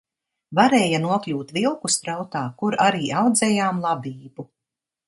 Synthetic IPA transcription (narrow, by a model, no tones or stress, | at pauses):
vaɾɛːjanuɔklʲuːt̪vilˠkust̪ɾawt̪aːkuɾaɾiːawd̪zɛːjaːmlˠabiːbu